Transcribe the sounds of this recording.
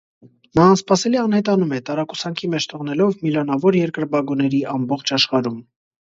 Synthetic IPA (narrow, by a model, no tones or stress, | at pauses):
nɑːnspɑsɛliɑnhɛt̪ɑnumɛt̪ɑɾɑkusɑŋkʰimɛt͡ʃʰt̪ʰɔʁn̪ɛlɔvmilɑnɑvɔɾjɛɾkəɾbɑɡunɛɾiɑmbɔχt͡ʃʰɑʃχɑɾum